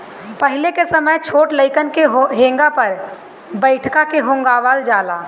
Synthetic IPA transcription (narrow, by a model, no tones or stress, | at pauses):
pəɦɪlekesəməjt͡ʃʰoːʈləɪkənkeɦɦẽːŋɡapəɾ | bəɪʈʰkakeɦõŋɡaːʋald͡ʒaːlaː